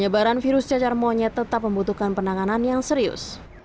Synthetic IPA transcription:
ɲəbaɾanfiɾʊst͡ʃat͡ʃarmoɲat̪ət̪ap̚məmbut̪ukanpənaŋananjaŋsəɾiʊ̰s

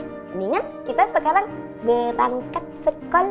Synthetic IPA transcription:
niŋankit̪asəkalan | bət̪aŋkat̪̚səkɔl

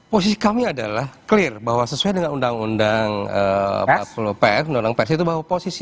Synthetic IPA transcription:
posisi̥kamiada̰lahklɪrbaɦwasəsuajdəŋanundaŋundaŋə̰flopɛndonaŋpɛrsit̪ubaɦwaposisi

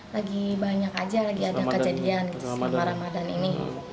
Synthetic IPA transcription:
laɡibaɲakad͡ʒalaɡiadakəd͡ʒadianɡit̪mpaɾamadanḭni

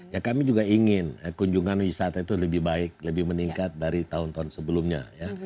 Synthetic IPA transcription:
jakamid͡ʒuɡaiŋɪnakuɲd͡ʒuŋanwisat̪ait̪uləbɪhbaɪk̚ləbɪhməniŋkat̪̚daɾit̪aʊnt̪aʊnsəbəlʊmɲa̰ja

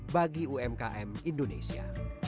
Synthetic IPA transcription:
baɡiuɛmkaʔɛmindonesia̰

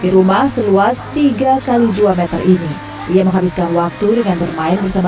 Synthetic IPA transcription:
diɾumahsəluast̪iɡakalid͡ʒuamɛt̪ə̰rʔini | ʔijaməŋɦabiskanwak̚t̪udəŋanbərmaɪnbərsama

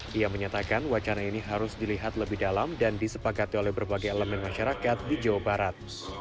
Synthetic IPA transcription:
ʔijaməɲat̪akanwat͡ʃanainiɦaɾʊsdiliɦat̪ləbɪhdalamdandisəpakat̪iolɛhbərbaɡajɛləmɛnmaʃaɾakat̪̚did͡ʒawabaɾat̪̚

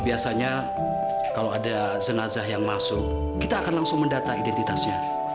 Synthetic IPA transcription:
biasaɲa | kalawada | zənazaɦjaŋmasʊk̚ː | it̪aːkanlaŋsʊŋməndat̪aidɛnt̪it̪asɲa

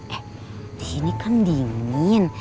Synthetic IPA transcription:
t̪enikʰamnd̪iŋin

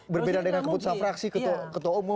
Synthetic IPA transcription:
bərbedadəŋankəbut̪usanfɾaksikət̪ɔkət̪oumʊ

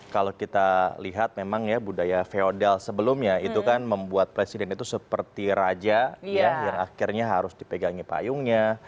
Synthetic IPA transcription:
kalokit̪aliɦat̪̚memaŋjabudajafeodɛlsəbəlʊmɲait̪ukanməmbuat̪̚pɾesidɛnit̪usəpərt̪iɾad͡ʒajajaŋakirɲaɦaɾʊsdipəɡaŋipa̰jʊŋɲa

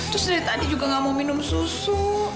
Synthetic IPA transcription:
t̪ɾʊsdaɾit̪adid͡ʒuɡaŋamominʊmsusu

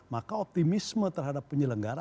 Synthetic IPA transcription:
makaɔp̚t̪imismət̪ərɦadapːəɲələŋɡaɾa

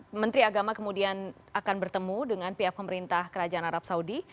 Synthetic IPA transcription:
mənt̪ɾiaɡamakəmudian | akanbərt̪əmudəŋanpiapːəməɾint̪ahkəɾad͡ʒaʔanaɾap̚saudi

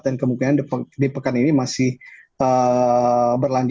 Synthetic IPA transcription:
t̪̚dankəmukinandədipəkaninimasɪhə | bərlaɲd͡ʒ

